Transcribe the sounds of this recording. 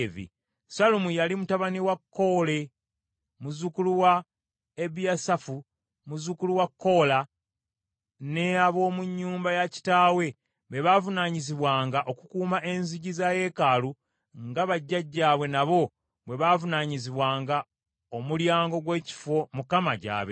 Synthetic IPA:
vḭ | salumujalimutaβaniwakːo̞ːle̞ | muzukuluwa | eβjasafu | muzukuluwakːo̞la | neaβo̞ːmuɲːuːmbajaci̥taːwe̞ | βe̞βaːvunaɲiziβwaːŋɡaʔo̞kukuːmaʔe̞nziɟizaje̞kalu | ŋɡaβaɟːaɟːaːβwe̞naβo̞ | βwe̞βaːvunaɲiziβwaːŋɡa | omuljaːŋɡo̞ɡwe̞ːci̥fo̞mukamaɟa̰ːβe

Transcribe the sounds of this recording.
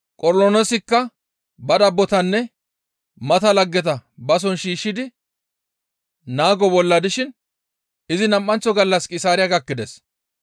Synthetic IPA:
kʼɔɾlɔnɔsɪkːɐ | bɐd̪ɐbːɔt̪ɐnːɛ | mɐt̪ɐlɐɡːɛt̪ɐbɐs̬ɔnʃiːʃːɪd̪ɪ | naːɡɔbɔlːɐd̪ɪʃɪn | ɪzɪnɐmʔːɐnt͡ʃːɔɡɐlːɐskʼɪsaːɾɪjɐɡɐkːɪd̪ɛs

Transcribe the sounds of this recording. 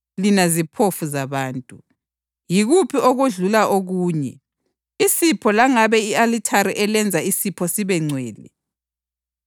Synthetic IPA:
linazipʰofuzaβaːntʼu | jiɣupʰioɣuɮulaʔoɣuːɲɛ̰ | isipʰɔlaŋaβɛialitʰaɾiʔɛlɛnd͡zʱaisipʰɔsiβɛŋ͡ǀʱwɛːlɛ̰

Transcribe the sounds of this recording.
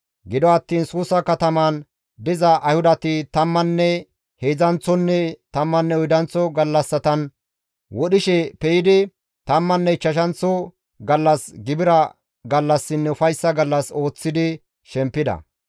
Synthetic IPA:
ɡɪd̪ɔɐt̪ːiːnsuːsːɐkɐt̪ɐmɐn | d̪ɪzɐʔɐjhʊd̪ɐt̪ɪt̪ɐmːɐnːɛ | heːzɐnt͡sːɔnːɛt̪ɐmːɐnːɛɔjd̪ɐnt͡sːɔɡɐlːɐsːɐt̪ɐn | wɔɗɪʃɛpɛjɪd̪ɪ | t̪ɐmːɐnːɛt͡ʃːɐʃ̬ɐnt͡sːɔ | ɡɐlːɐsɡɪbɪɾɐ | ɡɐlːɐsːɪnːɛʊfɐjsːɐɡɐlːɐso̞ːt͡sːɪd̪ɪ | ʃɛmpːɪd̪ɐ̰

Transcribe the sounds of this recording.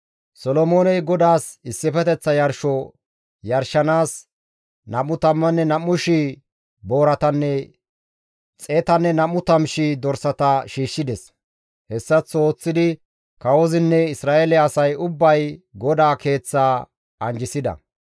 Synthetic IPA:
sɔlɔmoːnɛjɡɔd̪aːsɪsːɪfɛt̪ɛt͡sːɐjɐɾʃɔ | jɐɾʃɐnaːs | nɐmːʊt̪ɐmːɐnːɛnɐmːʊʃi | bo̞ːɾɐt̪ɐnːɛ | t͡sʼet̪ɐnːɛnɐmːʊt̪ɐmʃid̪ɔɾsɐt̪ɐʃiːʃːɪd̪ɛs | hɛsːɐt͡so̞ːt͡sːɪd̪ɪ | kɐwɔzɪnːɛɪsɾaːʔelɛɐsɐjʊbːɐjɡɔd̪aːkʰe̞ːt͡sːaː | ɐnd͡ʒɪsɪd̪ɐ̰

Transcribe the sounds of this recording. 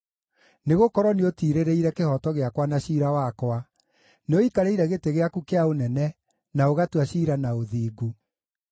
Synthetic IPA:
neɣokɔɾɔniotiːɾeɾeiɾɛkehɔtɔɣeakwanaɕiːɾawakwa | neoikaɾeiɾɛɣeteɣeakukeaonɛnɛ | naoɣatwaɕiːɾanaoðiːɡu

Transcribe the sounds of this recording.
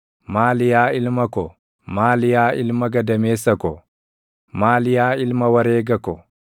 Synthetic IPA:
maːlɪjaːɪlmɐkɔ | maːlɪjaːʔɪlmɐɡɐd̪ɐmeːsːɐkɔ | maːlɪjaːɪlmɐwɐɾeːɡɐkɔ

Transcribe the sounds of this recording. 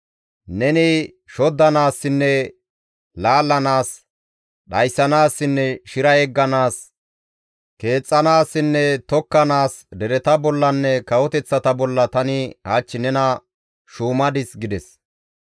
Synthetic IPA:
nɛnɪ | ʃɔd̪ːɐnaːsːɪnːɛ | laːlːɐnaːs | ɗɐjsːɐnaːsːɪnːɛʃɪɾɐɛɡːɐnaːs | ke̞ːt͡sʼːɐnaːsːɪnːɛt̪ɔkːɐnaːsd̪ɛɾɛt̪ɐbɔlːɐnːɛkɐwɔt̪ɛt͡sːɐt̪ɐbɔlːɐt̪ɐnɪhaːt͡ʃːɪnɛnɐ | ʃuːmɐd̪ɪsɡɪd̪ɛs

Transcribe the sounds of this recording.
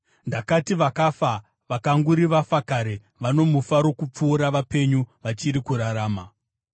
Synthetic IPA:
ndakatiʋakafa | ʋakaŋɡuɾiʋafakaɾe | ʋano̞mufaɾo̞kup͡fuːɾaʋape̞ɲuʋat͡ʃiɾikuɾaɾaːma

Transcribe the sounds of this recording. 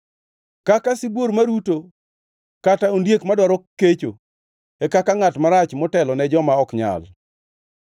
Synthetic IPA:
kakasibwoɾmaɾuto | kataondjekmadwaɾɔkːet͡ʃo | ekakaŋatmaɾat͡ʃmɔtɛlɔnɛd͡ʒɔmaɔkɲa̰l

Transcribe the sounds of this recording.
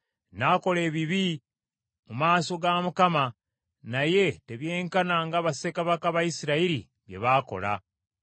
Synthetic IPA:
nako̞le̞ːβiβi | mumaːso̞ɡamukama | naje̞te̞βje̞ːŋkanaŋɡaβasekaβakaβajisiɾaiɾḭ | βje̞̰βaːko̞̰la̰

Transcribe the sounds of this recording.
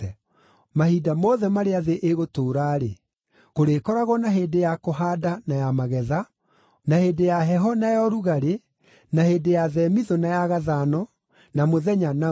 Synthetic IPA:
ɛ | mahidamɔðɛmaɾeaðeʔeɣotoːɾaːɾe | koɾeːkɔɾaɣɔnaɦeːdejakoɦaːdanajamaɣɛða | naheːdejaɦɛɦɔnajɔɾuɣaɾe | naheːdejaðɛmiðɔnajaɣaðaːnɔ | namoðɛɲana

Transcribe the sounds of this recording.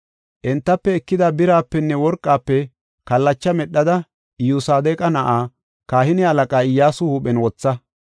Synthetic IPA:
ʔɛnt̪ːɐpːɛɛkːɪd̪ɐbɪɾaːpːɛnːɛwɔɾkʼːaːpːɛ | kɐlːɐt͡ʃːɐmɛɗːɐd̪ɐ | ɪjuːsaːd̪eːkʼɐnɐʔaː | kaːhɪnɪɐlɐkʼaːɪjːaːsʊhuːpɛnwɔt͡sːɐ

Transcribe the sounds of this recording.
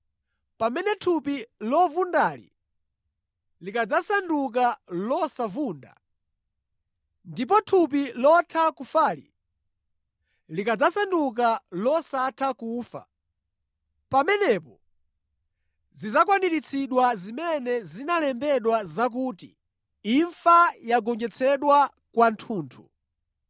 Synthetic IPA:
pamɛnɛtʰupilɔvundaːlḭ | likad͡zasanduk̬alɔsavuːnda̰ | ndip̬ɔtʰup̬ilɔtʰakufaːlḭ | likad͡zasanduk̬alɔsatʰakuːfa̰ | pamɛnɛpɔ | zizakwaniɾit͡sʰiɗwazimɛnɛzinalɛmbɛɗwazak̬uːtḭ | iɱfajaɡɔŋd͡ʒɛt͡sʰɛɗwa | kwantʰuːntʰṵ

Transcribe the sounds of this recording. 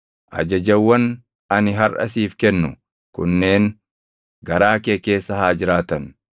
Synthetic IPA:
ʔɐ̰d͡ʒɐd͡ʒɐwːɐn | ɐnɪɦɐɾʔɐ̰siːfkɛnːʊ | kʊnːe̞ːŋ | ɡɐɾaːkeːke̞ːsːɐhaːd͡ʒɪɾaːt̪ɐn

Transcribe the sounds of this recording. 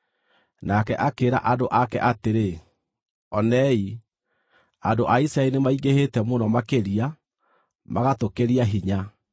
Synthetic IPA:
nakɛʔakeːɾa̰ʔadoʔakɛ̰ʔateɾe | ɔnɛi | adoʔaisɾaenemaiɣehetɛmonɔmakeɾia | maɣatokeɾiaɦiɲa

